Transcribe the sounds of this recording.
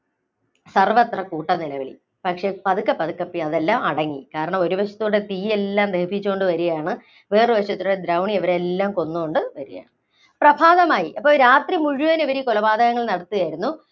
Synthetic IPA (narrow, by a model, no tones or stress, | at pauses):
sɐrʋɐt̪rɐkuːʈːɐnilɐʋɐɭḭ | pɐkʂe̞ːpɐðukːɐpːɐðukːɐpːiɐðelːaːmɐɽɐŋːikaːɾɐɳɐmo̞ɾuʋɐɕɐ̥t̪ːuːɽet̪iːe̞lːaːmd̪eːbʱit͡ɕːuoɳɖɨʋɐɾuɣɐjaːɳɨ | ʋeːrɨʋɐɕɐt̪ːiuɽed̪ɾɐwɳieʋɐɾe̞lːaːmko̞nːuko̞ɳɖɨʋɐɾuɣɐja̰ːɳɨ | prɐbʱaːðɐmaːjiʔɐpːo̞ːɾaːt̪rimuɻuʋɐneʋɐɾikolɐbaːd̪ʱɐɣɐŋːɐɭnɐɽɐt̪ːijaːjiɾunːu